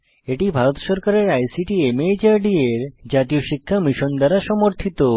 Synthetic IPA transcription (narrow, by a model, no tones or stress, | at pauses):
eʈibʱaɾot̪ʃɔɾkaɾeɾajsiʈiemed͡ʑaɾɖieɾd͡ʑat̪ioʃikʰːamiʃond̪aɾaʃɔmoɾt̪ʰit̪o